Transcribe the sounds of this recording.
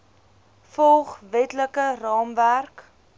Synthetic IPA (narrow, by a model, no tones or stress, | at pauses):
fɔlˠχvɛtləkərɑːmværk